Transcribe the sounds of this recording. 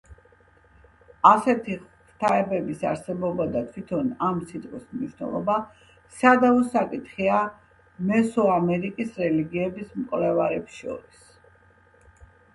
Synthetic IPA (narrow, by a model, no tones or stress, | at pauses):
asɛt̪ʰi | ɾt̪ʰaɛbɛbisa̰ɾsɛbɔbad̪at̪ʰwit̪ʰɔnamsit̪ʼqʼwismniʃwnɛ̰lˠɔba | sad̪aɔsakʼit̪χia | mɛsɔamɛɾikʼisɾɛliɡiɛbismkʼvlɛvaɾɛpsʃɔ̰ɾis